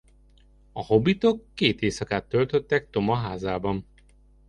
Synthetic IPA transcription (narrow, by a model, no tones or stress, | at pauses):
ɒho̞bit̪o̞kːeːt̪eːsɒkaːt̪ːølt̪øt̪ːɛk̚t̪o̞mɒɦaːzaːbɒn